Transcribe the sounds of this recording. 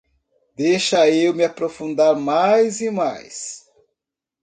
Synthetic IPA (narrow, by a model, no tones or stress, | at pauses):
d̪ejʃɐewmɪapɾofũnd̪aɾmajzima̰js